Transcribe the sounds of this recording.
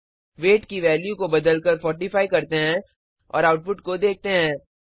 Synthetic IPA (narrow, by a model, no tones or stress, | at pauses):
ʋeːʈkiʋɛːljukobɐd̪əlkəɾfɔːɾʈifaːikɐɾt̪eɦɛ̃ | ɔ̰ːɾaːʊʈ̚pʊʈkod̪eːk̚ʰt̪eɦɛ̃ː